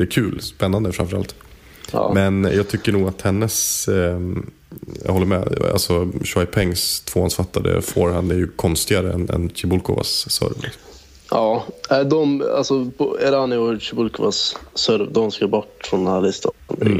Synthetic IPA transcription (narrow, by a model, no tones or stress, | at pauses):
d̪ɛɛkʰʉ̟ːlspɛnːand̪əfɾa̰mfœɾa̰lt̪ː | mɛnjɑːɡt̪ʰʏkːəɳuːɡat̪hɛnːəs | jɑ̰hɔlːəmɛa̰lsɔʃwaɪpʰɛŋst̪ʰvoːansfat̪ːad̪ə̰foːɾhand̪æɾjɵkʰɔnst̪ɪaɾəɛnɛ̰nɕɪbʊlkʰʊ̰va̰sːœ̰ɾvlɪksɔm | ʔɑːæɪd̪ɔma̰lsɔpɔɛɾhanːɛʊɕɪbʊlkʊvasːœɾvd̪ɔmskəbɔʈːfɾɔnd̪ɛnhæɭɪst̪afbɪ̰